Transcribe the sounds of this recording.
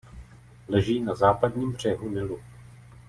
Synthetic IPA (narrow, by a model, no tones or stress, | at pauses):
lɛʒiːnazaːpadɲiːmbr̝̥ɛɦunɪlu